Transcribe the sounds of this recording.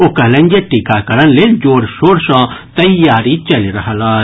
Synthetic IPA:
okɐlə̃ŋɡeʈikakɐɾənleːld͡ʒoːɾʃoːɾsãt̪ɐjaːɾit͡ʃɐliɾɐɦalaː

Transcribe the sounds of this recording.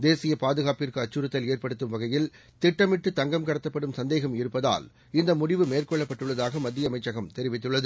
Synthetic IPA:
d̪eːsɪjɐpaːðɯɣaːpɪrkɯɐt͡ʃːɯɾɯɐt̪ːɐleːrpɐɽɯt̪ːɯmʋɐɣɐjɪl | t̪ɪʈːɐmɪʈːɯt̪ɐŋɡɐmkɐɽɐt̪ːɐpːɐɽɯmsɐnd̪eːɣɐmɪɾɯpːɐða̰ːl | ɪnd̪ɐmʊɽɪʋɯmeːrkɔɭːɐpːɐʈːɯɭːɐðaːɣɐmɐd̪ːɪjɐmɐɪt͡ʃːɐɣɐmt̪ɛɾɪʋɪt̪ːɯɭːɐðɯ

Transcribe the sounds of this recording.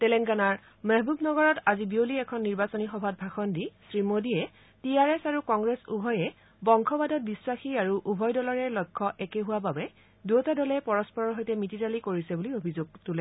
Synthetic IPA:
tɛlɛŋɡanaɹ | mɛɦbubnɔɡɔɹɔtazibioliɛkʰɔnːiɹbasonixɔbʱat̚bʱaxɔndisɹimodiɛ | tiaɹɛsaɹukɔŋɡɹɛsṵbʱɔjɛ | bɔŋkʰɔbadɔt̚biswaxiaɹuʔubʱɔjdɔlɔɹɛlɔjkʰːɔʔɛkeɦʊwababɛ | duotadɔlɛpɔɹɔspɔɹɔɹɦojtɛmititalikoɹisɛbuliobʱizoɡ̚tulɛ

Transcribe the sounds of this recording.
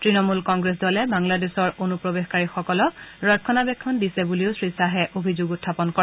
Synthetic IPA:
tɹinɔmulkɔŋɡɹes̬dɔlɛbaŋladesɔɹonupɹobexkaɹixɔkɔlɔɹɔt̚kʰːɔnabɛkʰːɔndisɛbuliʊsɹisaɦɛʔobʱizoɡutʰːapɔnkɔɹɛ

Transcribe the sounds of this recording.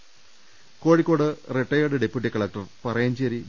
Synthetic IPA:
ko̞ːɻikːo̞ːɽɨreʈːɐjoɽeɖepːjuʈ̬ːikːɐɭaːk̚ʈɐrpɐrɐjaːnt͡ɕeɾi

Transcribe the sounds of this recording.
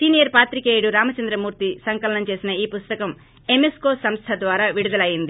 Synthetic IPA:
sinijɐɾpaːt̪ɾikeːjɽuɾaːmɐt͡ʃɐnd̪ɾɐmuːɾt̪isɐŋkɐlɐnɐmt͡ʃe̞ːsinɐiːpust̪ɐkɐm | emeskoːsɐmst̪ʰɐd̪ʋaːɾaːʋiɽud̪ɐlɐjind̪i

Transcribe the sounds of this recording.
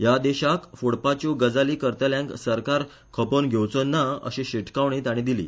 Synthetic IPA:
jad̪eɕakfuɽpat͡ɕuɡəd͡zaliːkəɾt̪əljãŋksəɾkaɾ | kʰəpənɡʱewt͡sənːaə̰ɕĩɕeʈʰkaʋɳ̃it̪aɽ̃ĩd̪ilḭː

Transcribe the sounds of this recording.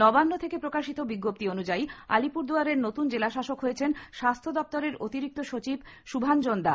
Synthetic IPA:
nɔbanːot̪ʰekepɾokaʃit̪obiɡːop̚t̪ionud͡ʑaia̰lipuɾd̪uaɾeɾnot̪und͡ʑelaʃaʃokɦojet͡ɕʰenʃast̪ʰod̪ɔp̚t̪oɾeɾot̪iɾik̚t̪oʃot͡ɕibʃubʱand͡ʑond̪a

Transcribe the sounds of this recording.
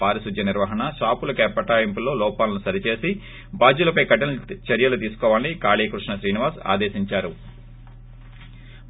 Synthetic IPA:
aːɾɐsud̪ʱjɐniɾʋɐɦɐɳɐʃaːpulɐkɛːpɐʈaːjimpulo̞ːlɔːpaːlɐnusɐɾit͡ʃe̞ːsi | baːd͡ʒulɐpɐjkɐʈɐnt͡ʃɐɾjɐlut̪iːsu̥kɔːʋaːlnikaːliːkɾuʂnɐʃɾiːniʋaːɾsa̰ːd̪eːsiɲt͡ʃaːɾu

